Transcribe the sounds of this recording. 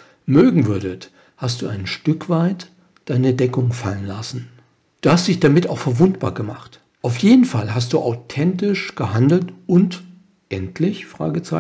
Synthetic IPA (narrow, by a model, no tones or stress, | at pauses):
møːɡŋ̩vʏɐdət | hastd̥uːaɪnʃtʏkv̥aɪt | d̥aɪnədɛkʊŋfalənlasn̩ | d̥uːhastd̥ɪçd̥amɪtaʊxfɛɐvʊntb̥a̰ːɐɡəmaχt | ʔaʊfjeːdn̩falɦast̚d̥uːʔaʊtʰɛntɪʃɡ̥əɦandl̩tʊnt | ʔɛntʰlɪçfʁ̥a̰ːɡət͡sa